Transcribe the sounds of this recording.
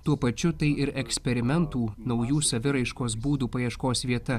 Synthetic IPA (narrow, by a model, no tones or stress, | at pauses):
t̪uɔpɐt͡ʃʲʊt̪ɐɪɪɾɛksʲpʲɛɾʲɪmʲɛnt̪uːnɒʊjuːsɐʋʲɪɾɐɪʃkoːsbuːd̪uːpɐjiɛʃkoːsʋʲiɛt̪ɐ